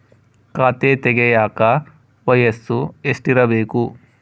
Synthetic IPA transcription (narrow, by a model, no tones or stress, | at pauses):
kaːt̪eːt̪ɛɡɛjaːkɐ | ʋɐjɐsuesʈiɾɐbeːku